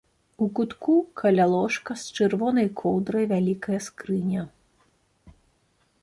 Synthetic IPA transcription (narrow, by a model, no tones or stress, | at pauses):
ukut̪kukʰɐlʲalˠɔʂkɐst͡ʂɨrvɔnɐjkʰɔwd̪ɾɐjvʲalʲikɐjɐskɾɨnʲɐ